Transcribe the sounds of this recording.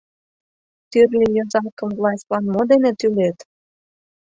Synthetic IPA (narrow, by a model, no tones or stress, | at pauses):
t̪yrnʲijozɑkə̆mvlˠɑsʲt̪lɑnmod̪enet̪ylet̪